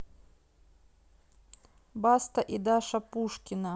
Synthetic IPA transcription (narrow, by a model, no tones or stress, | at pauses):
bast̪ɐʔid̪aʂɐpuʂkʲina